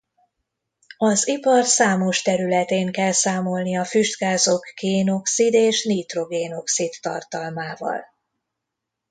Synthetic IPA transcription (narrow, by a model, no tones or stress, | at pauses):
ɒzipɒrsaːmo̞ʃt̪ɛɾylɛt̪eːŋkɛlsaːmo̞lniɒfyʒd̪ɡaːzo̞kːeːno̞ksid̪eːʃniːt̪ro̞ɡeːno̞ksit̪ːɒ̰rt̪ɒlmaːvɒ̰l